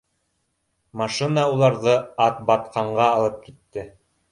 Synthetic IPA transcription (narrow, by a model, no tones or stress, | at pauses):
mɑʃɨnɑulˠɑɾðɤɑt̪̚bɑt̪qɑɴɢɑːlˠɤp̚kit̪ːɘ